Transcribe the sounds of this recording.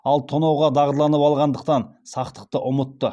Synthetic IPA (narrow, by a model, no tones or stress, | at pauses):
ɑlˠt̪ʰonɑwʁɑd̪ɑʁd̪lˠɑnəpɑlˠʁɑnd̪əq̚t̪ɑnsɑqt̪ə̥q̚t̪əʔʊmət̪ːə